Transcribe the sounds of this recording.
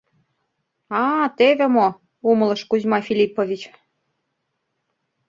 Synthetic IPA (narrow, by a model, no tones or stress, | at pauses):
ɑt̪evʲĕmo | umə̆lɤ̆ʃkuzʲmɑfʲilʲipovʲit͡ɕ